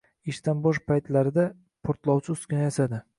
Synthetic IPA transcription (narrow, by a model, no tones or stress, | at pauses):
ɪʃt̪anbɒʃpʰajt̪laɾɪd̪a | pʰoɾt̪lˠɒwt͡ʃʰɪʊskʲɪnajasad̪ɪ